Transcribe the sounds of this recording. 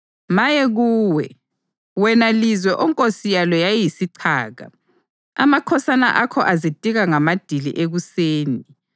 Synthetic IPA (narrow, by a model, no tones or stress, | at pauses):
majɛɣuːwɛ | wɛnalizwɛʔɔŋkʼosijalɔjajjisiǀʰaːɣa̰ | a̰makʰɔsana̰ʔakʰɔʔazid̥ʱʼiɣaŋamad̥ʱilḭʔeɣuseːni